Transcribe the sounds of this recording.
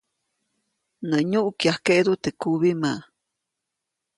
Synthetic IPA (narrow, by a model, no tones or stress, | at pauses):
nəɲuʔkjahkeʔd̪ut̪ekuβimaʔ